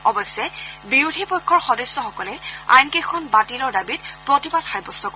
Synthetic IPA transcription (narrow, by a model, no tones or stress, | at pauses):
ɔbɔjsːɛbiɹudʱipɔjkʰːɔɹxɔdɔsːɔxɔkɔlɛa̰jnkejkʰɔnbatilɔɹdabit̚pɹotibadxajbɔstɔk